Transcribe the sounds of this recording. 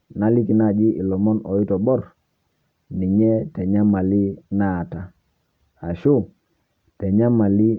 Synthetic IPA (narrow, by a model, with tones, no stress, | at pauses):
na˨li˦ki˨na˦˨d͡ʒi˦ʔi˨lɔ˨mɔ˦nɔ˨i˦tɔ˨bɔ˦r | ni˨ɲɛ˦tɛ˨ɲa˦ma˨li˦na˦˨ta˦ | a˨ʃu˦ | tɛ˨ɲa˦ma˨li˦